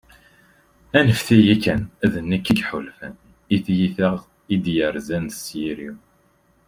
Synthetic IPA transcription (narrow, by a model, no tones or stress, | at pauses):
ænəfθijikːænæðənːækːiɡħulfæ̰n | iθjiθəʁ | id̪jəɾzænsjiɾḭw